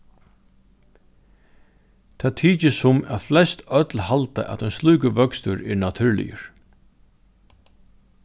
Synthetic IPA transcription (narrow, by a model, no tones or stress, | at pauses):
t̪ʰaːt̪ʰiːt͡ʃɪsʊmæ̰ðflɛst̪œt̪lhalt̪a̰ʔæ̰t̪œnsluːkəʋœkst̪ʏɾɛɹnat̪ʰʉɹlɪ̰jə̰ɹ